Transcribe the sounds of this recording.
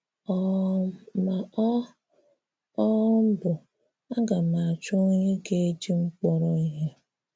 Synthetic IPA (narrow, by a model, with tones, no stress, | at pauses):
ɔ˨ | ma˨˦ | ɔ˦m̩˦bʊ˨ | a˦ɡa˨na˨a˨t͡ʃʊ˦ɲe˦ɡe˦e˦d͡ʒi˦ŋ͡m̩˦k͡pɔ˦ɾɔ˦i˦ɦe˦